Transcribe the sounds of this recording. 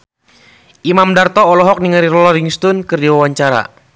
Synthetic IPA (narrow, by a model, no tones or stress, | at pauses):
ʔimamdart̪ɔːlɔɦɔk̚niŋəɾiɾɔlɔɾiŋst̪unkɨrdiwawaɲt͡ʃaɾa̰